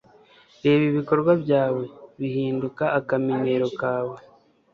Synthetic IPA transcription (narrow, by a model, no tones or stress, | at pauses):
ɾe̞ːβiβiko̞ɾɡwaβjaːwe̞βihiːndukaːkamine̞ɾo̞kaːwe̞